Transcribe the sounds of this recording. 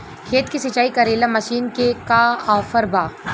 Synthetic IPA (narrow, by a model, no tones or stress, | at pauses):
kʰeːt̪kisɪt͡ʃaːikɐɾeːlamɐʃiːnkekaaːfəɾbaː